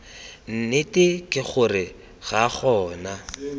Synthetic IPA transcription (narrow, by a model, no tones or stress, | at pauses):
n̩nɪtɪkʼɪχʊrɪ | ɣaχɔːna